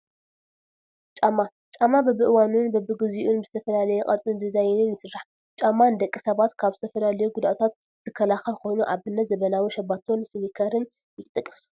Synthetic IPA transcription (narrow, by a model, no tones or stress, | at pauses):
t͡ʃʼamːa | t͡ʃʼamːabɐbɨʔɨwanunbɐbɨɡɨziʔunbɨz̥ɨt̪ʰɐfɐlalɐjɛqʼɐt͡sʼɨnd̪ɨzajɪnɨnjɪsɨɾːaħ | t͡ʃʼamːand̪ɐkʼːisɐβat̪kʰaβzɨ̥t̪ʰɐfɐlalɐjuɡud̪at̪ʰat̪ | z̥ɨkʰːɐlaxɐlkʰo̞jnuʔaβɨnːɐt̪zɐβɐnawiʃɐbat̪ʰo̞nsɨnikʰɐɾɨn | jɪt̪ʼɨkʼːɨ̥su̥